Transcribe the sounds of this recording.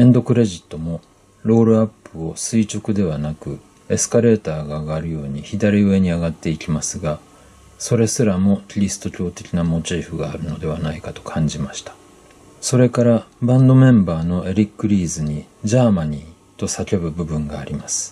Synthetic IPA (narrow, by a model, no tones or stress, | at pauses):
ẽ̞nd̪o̞kɯ̟ɾe̞ʑit̪ːo̞mo̞ | ɾo̞ːɾɯ̟apːɯ̟o̞sɨit͡ɕo̞kɯ̟d̪e̞β̞anakɯ̟ | e̞sɨ̥kaɾe̞ːt̪aːɡaːɡaɾɯ̟jo̞ːɲ̟içid̪aɾʲiɯ̟e̞ɲ̟iaɡat̪ːe̞ikʲimasɨɡa | so̞ɾe̞sɨɾamo̞kʲiɾʲisɨ̥t̪o̞kʲo̞ːt̪e̞kʲinamo̞t͡ɕiːɸɯ̟ɡaːɾɯ̟no̞d̪e̞β̞anaikat̪o̞̥kʰãɲ̟d͡ʑimaɕi̥t̪ḁ | so̞ɾe̞kaɾabãnd̪o̞mẽ̞mbaːno̞e̞ɾʲikːɯ̟ɾʲiːzɨɲ̟i | ʑaːmaɲ̟iː | t̪o̞sakʲe̞bɯ̟bɯ̟bɯ̟̃ŋɡaːɾʲimasɨ̥